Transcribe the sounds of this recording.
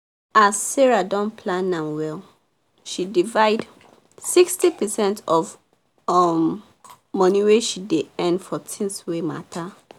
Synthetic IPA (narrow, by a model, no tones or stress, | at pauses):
asːɛɹadɔ̃npʰlãnːãmwɛl | ʃidivaɪd | sikstipəsɛ̃ntʰɔv | ɔm | mɔniweʃideɛ̃ndfɔtʰĩnswema̰tʰa